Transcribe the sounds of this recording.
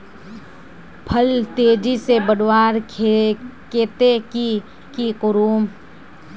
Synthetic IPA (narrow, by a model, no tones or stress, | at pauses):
pʰəlt̪eːd͡ʒisebəɽwaːɾ | keːt̪eki | kiqʊɾuːm